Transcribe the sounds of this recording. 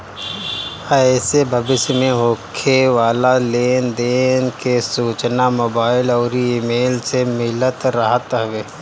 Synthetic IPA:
aesebʱɐbɪʃmẽɦoːkʰeʋaːlaleːnd̪eːnkesuːt͡ʃnamoːbaːɪlɔːɾiiːmeːlsemɪlət̪ɾɐɦət̪ɦɐʋeː

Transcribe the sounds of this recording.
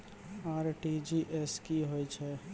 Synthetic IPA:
aɾʈid͡ʒiʔeskiɦojt͡ʃʰɛ

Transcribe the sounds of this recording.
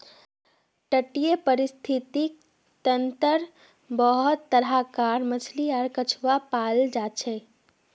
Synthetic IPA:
ʈəʈijepəɾist̪ʰit̪i | t̪ənt̪əɾ | bəɦut̪ːəɾɦakaɾmət͡ʃʰliaɾkət͡ʃʰwapald͡ʒat͡ʃʰɛ

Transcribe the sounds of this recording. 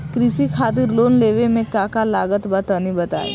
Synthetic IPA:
kɾɪsikʰaːt̪̬ɪɾloːnleːʋemẽkãːkalaːɡət̪bət̪ənibɐt̪a̰ːḛ

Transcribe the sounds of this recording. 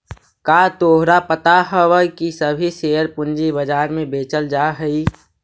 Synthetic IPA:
kat̪oːɦɾapət̪aɦəwəkisəbʱiseːəɾpʊnd͡ʒibəd͡ʒaːɾmẽbeːt͡ʃəld͡ʒaɦəi

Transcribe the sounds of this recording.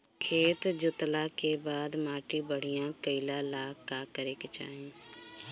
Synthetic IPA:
kʰeːt̪d͡ʒʊt̪lakebaːd̪maːʈibəɽ̤ijãkəɪlalaːakəɾeket͡ʃa̰ːɦĩ

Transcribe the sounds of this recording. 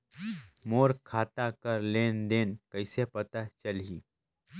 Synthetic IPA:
moːɾkʰaːt̪akəɾleːnd̪eːnkəɪsepət̪at͡ʃəlɦiː

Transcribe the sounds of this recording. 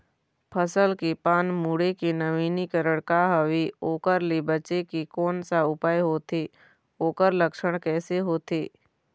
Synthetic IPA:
pʰəsəlkepaːnmuɽekenəʋiːnikəɾəɽkaɦəʋioːkəɾlibət͡ʃekikɔːnsaʊpaːjɦoːt̪eː | oːkəɾləkʃəɽ̃kɛːseɦoːt̪eː

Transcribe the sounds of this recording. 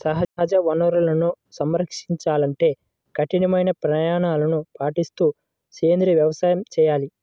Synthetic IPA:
sɐɦɐɦɐd͡ʒɐʋɐnɐɾulɐnu | sɐmɾɐkʂiɲt͡ʃaːlɐɳʈe̞ː | kɐʈinɐmɐjnɐpɾɐjaːɳaːlɐnupaːʈist̪uː | seːnd̪ɾiʋjɐʋɐsaːjɐmt͡ʃɛːjaːli

